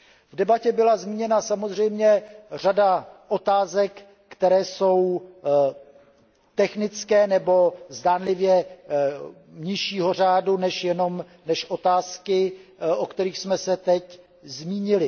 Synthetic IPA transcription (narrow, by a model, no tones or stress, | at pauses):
vdɛbacɛbɪlazmiːɲɛnasamozr̝ɛjmɲɛr̝adaʔo̞t̪aːzɛkː | t̪ɛɾɛːso̞w | t̪ɛxnɪt͡skɛːnɛbo̞zdaːnlɪvjɛ | ɲɪʃiːɦo̞r̝aːdunɛʃjɛno̞m | nɛʃʔo̞t̪aːskɪʔokt̪ɛɾiːxsmɛsɛt̪ɛc | zmiːɲɪlɪ